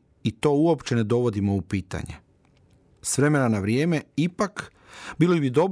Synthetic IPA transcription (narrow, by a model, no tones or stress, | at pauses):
it̪o̞ːuo̞pt͡ɕe̞ne̞d̪o̞ʋo̞d̪imo̞upiːt̪a̰ɲḛ | sʋɾe̞me̞nanaʋɾjeːme̞ipak | biːlobid̪o̞b